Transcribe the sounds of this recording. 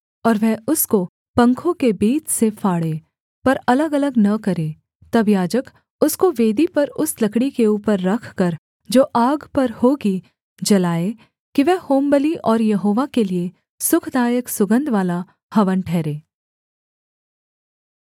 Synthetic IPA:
ɔːɾʋɛɦʊsko | pɐ̃ŋkʰõkebiːt͡ʃsefʰaːɽeː | pɐɾɐləɡɐləɡnɐkɐɾeː | t̪ɐbjaːd͡ʒək | ʊskoʋeːd̪ipɐɾʊslɐkɽikeuːpəɾːɐkʰkɐɾ | d͡ʒoːʔaːɡpɐɾhoːɡi | d͡ʒɐlaːe | kiʋɛːhoːmbəliʔɔːɾjɐɦoːʋakelie | sʊkʰd̪aːjəksʊɡə̃nd̪ʱʋaːla | hɐʋənʈʰɛːɾeː

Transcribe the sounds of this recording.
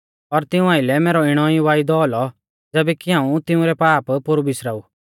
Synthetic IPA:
ɔɾt̪ɪũaːɪlɛmɛːɾɔɪɽ̃ɔiʋaːid̪ɔɔlɔ | d͡zɛːbɛkiɦãːũt̪ɪũɾɛpaːppʊɾubɪsɾaːu

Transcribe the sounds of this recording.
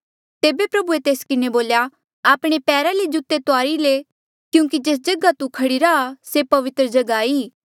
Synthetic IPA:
t̪eːbepɾɐbuet̪eːskɪneboːlja | aːpɽ̃epɛːɾaled͡ʒut̪ːet̪oaːɾile | kjũːkid͡ʒeːs̬d͡ʒɐɡat̪ukʰɐɽiɾaasepɐʋɪt̪ɾəd͡ʒɐɡaːi

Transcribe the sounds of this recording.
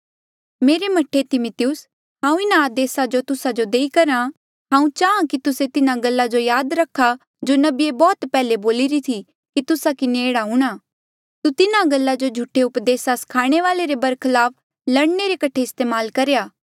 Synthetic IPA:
meːɾemɐʈʰet̪ɪmʊt̪ɪjʊs | ɦãːũɪnaːd̪eːsad͡ʒot̪ʊsad͡ʒod̪eːikɐɾã | ɦãːũt͡ʃaːãkit̪ʊset̪ɪnaɡɐlːad͡ʒojaːd̪ɾɐkʰːa | d͡ʒonɐbiebɔːt̪pɛːleboːliɾit̪ʰi | kit̪ʊsakɪneːɽaɦũːɽ̃aː | t̪ut̪ɪnaɡɐlːad͡ʒod͡ʒʱʊʈʰeʊpd̪eːsaskʰaːɽ̃eʋaːleɾebɐɾkʰɪlaːp̚ʰ | lɐɽneɾekɐʈʰeɪst̪eːmaːlkɐɾejaː

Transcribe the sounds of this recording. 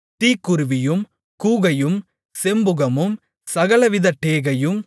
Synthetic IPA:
t̪iːkːʊɾɯʋɪjɯm | kuːɣɐjɯm | sɛmbɯɣɐmɯm | sɐɣɐɭɐʋɪðɐʈːeːɣɐjɯm

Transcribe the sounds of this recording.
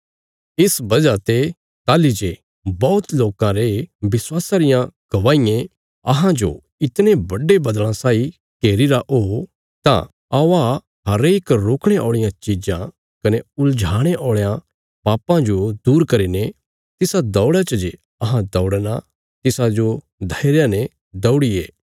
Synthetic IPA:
ɪsbɐd͡ʒat̪e | t̪aːlid͡ʒe | bɔːt̪loːkãɾebɪswaːsaɾɪjãɡ̥ɐʋaːijẽ | ɐɦãd͡ʒo̰ | ɪt̪nebɐɖebɐd̪lãsaːi | keːɾiɾaʔo | t̪ã̰ | aʋa | ɦɐɾeːkɾoːkʰɽ̃eʔɔːɭɪjãt͡ʃɪd͡ʒã | kɐneʊld͡ʒʱaːɽ̃eʔɔːɭjã | paːpãd͡ʒod̪uːɾkɐɾine | t̪ɪsad̪ɔːɽat͡ʃɐd͡ʒe | ɐɦãd̪ɔːɽna | t̪ɪsad͡ʒo | d̪ʱɐɪɾjane | d̪ɐʊɽieː

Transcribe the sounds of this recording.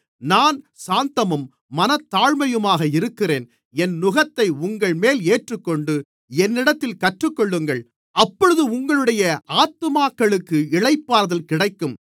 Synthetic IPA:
naːn | saːnt̪ɐmɯmː | ɐnɐt̪ːaːɻmɐjɯmaːɣɐɪɾɯkːɪreːn | ɛnnʊɣɐt̪ːɐɪʊŋɡɐɭmeːleːʈrɯkːɔɳɖɯ | ɛnːɪɽɐt̪ːɪlkɐʈrɯkːɔɭːɯŋɡɐɭ | ɐpːɔɻɯðɯʊŋɡɐɭɯɽɐjɐʔaːt̪ːɯmaːkːɐɭɯkːɯɪɻɐɪpːaːɾɐðɐlkɪɽɐɪkːɯm

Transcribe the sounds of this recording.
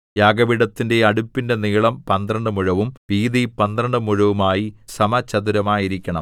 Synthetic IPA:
jaːɡɐʋiɽɐt̪ːinde̞ɐɽupːinde̞niːɭɐmpɐnd̪rɐɳɖɨmuɻɐʋumʋiːðipɐnd̪rɐɳɖɨmuɻɐʋumaːjisɐmɐt͡ɕɐd̪uɾɐmaːjiɾikʲːɐɳɐm

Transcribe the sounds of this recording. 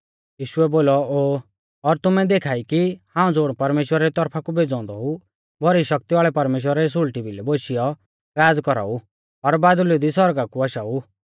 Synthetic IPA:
jiːʃʊɛboːlɔoː | ɔɾt̪ʊmɛd̪eːkʰaːikihãːũd͡zoːɽ̃pɐɾmeːʃwəɾaɾit̪ɔɾpʰakubed͡zɔ̃ːnd̪ɔɦu | bʱɔɾiʃɐk̚t̪iaːɭɛpɐɾmeːʃ̬wəɾaɾis̬ʊɭʈibʱilɛboʃijɔ | ɾaːd͡zkɔɾa̰ːu | ɔɾbaːd̪ʊlid̪isɔɾɡakuaʃau

